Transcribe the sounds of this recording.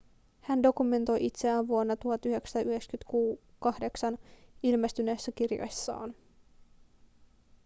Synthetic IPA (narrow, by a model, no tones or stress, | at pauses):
hændo̞kume̞nt̪o̞jʔit̪seæːnʋuonːɑt̪uhɑt̪yɦe̞ksɑ̥t̪ɑʔyɦekskyt̪kuː | kɑhde̞ksɑnilmest̪yne̞ːsːækirjo̰jsːɑ̰ːn